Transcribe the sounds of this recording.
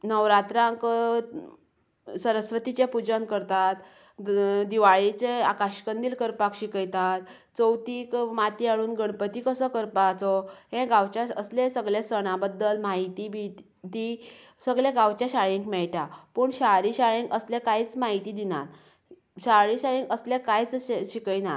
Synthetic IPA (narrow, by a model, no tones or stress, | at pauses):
nəʋɾat̪ɾãŋk | səɾəsʋət̪it͡ɕjapud͡ʑənkəɾt̪at̪ | d̪iʋaɭit͡seakaɕkənd̪iːlkəɾpakɕikəjt̪at̪ | t͡səwt̪iːkmat̪iaɭuːnɡəɳ̃pət̪ikəsəkəɾpat͡sɔɦẽɡawt͡ɕjaəslesəɡɭesəɽ̃abəd̪ːəlmaɦit̪ibʱit̪ | d̪i | səɡɭeɡawt͡ɕjaɕaɭĩŋkmɛɭʈapəɳɕaɾiɕaɭẽŋkəslẽkajt͡smaɦit̪iːd̪ina̰t̪ | ɕaɭiɕaɭẽŋkəslekajt͡sɕikəjna